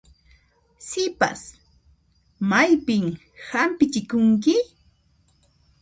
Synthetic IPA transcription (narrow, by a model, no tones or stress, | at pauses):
sɪpa̰s | majpɪm | hampɪt͡ʃɪkʊŋk̬ɪ